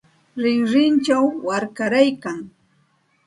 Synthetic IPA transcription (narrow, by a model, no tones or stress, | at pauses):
ɾɪŋɾɪnt͡ʃawːaɾkaɾajkaŋ